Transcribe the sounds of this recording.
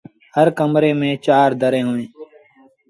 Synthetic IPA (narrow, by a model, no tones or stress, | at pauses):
həɾkəmɾeːmẽːt͡ʃaːɾd̪əɾẽːɦoːẽː